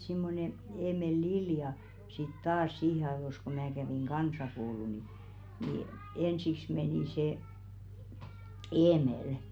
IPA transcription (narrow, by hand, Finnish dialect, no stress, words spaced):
simːone eːmel liljɑ sit tɑːs siːhe ɑĕʋos ko mæː kæʋeˑŋ kɑnsɑkoulu ni niˑ ensiks meniˑ se eːmelə̆